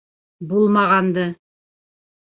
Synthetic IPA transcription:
bulˠmɑʁɑnd̪ɤ

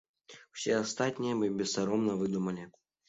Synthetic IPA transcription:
w̥sʲɛast̪at̪ʲnʲijɐmɨbʲɛst̪aɾɔmnɐvɨd̪umɐlʲɪ

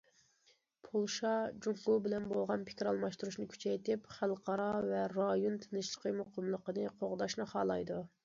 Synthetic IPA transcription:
pʰolˠʃɑd͡ʒuŋqubɪlɛnbolˠʁɑnpʰɪ̥kʲiɾɑlˠmɑʃt̪uɾuʃnɨkʲʰy̥t͡ʃʰɛjt̪ɪpχælˠqʰɑɾɑvɛɾɑjont̪ʰenɪʃlˠəqəmoqəmlˠəqənɨqʰoʁd̪ɑʃnɨχɑːlˠɑjd̪u

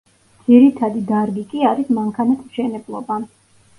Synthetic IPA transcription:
d̪ziɾit̪ʰad̪id̪aɾɡikʼiaɾismaŋkʰanat̪ʰmʃɛnɛblˠɔba

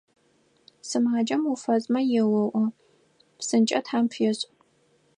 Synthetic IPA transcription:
sɨmaːd͡ʒɐmufɐzʼmɐjɛwɐʔʷɔ | psɨnt͡ʃʼɐtħaːmpʰjɛɕʼ

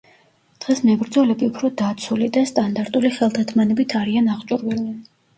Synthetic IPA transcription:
d̪̥ʁɛsmɛbɾd̪zɔlɛbiupʰɾɔd̪at̪sʰulid̪ast̪ʼand̪aɾt̪ʼuliχɛlˠd̪at̪ʰmanɛbit̪ʰaɾianaʁt͡ʃʼuɾwɛli

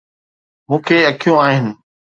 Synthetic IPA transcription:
mũːkʰeɐkʰijũaːɦɪnɪ̆

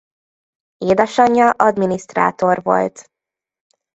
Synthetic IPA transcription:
eːd̪ɛʃɒɲːɒʔɒd̪minist̪ra̰ːt̪o̞rvo̞̰lt̪

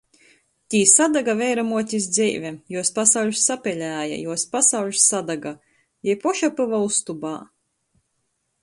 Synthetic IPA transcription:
t̪ʲiːsad̪aɡavʲɛjɾamuɔt̪ʲisd̪zɛjvʲɛjuɔspasawʎʲsːapʲɛlʲæːja̰juɔspasawʎʲsːad̪aɡa | jɛjpɔʃapɨvaust̪uba̰ː

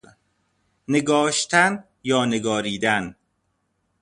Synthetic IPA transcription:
ne̞ɡɒːʃt̪ʰæn | jɒːne̞ɡɒːɾiːd̪æn

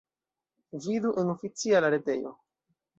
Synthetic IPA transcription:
viduʔenofit͡sialaɾete̞̰jo̞̰

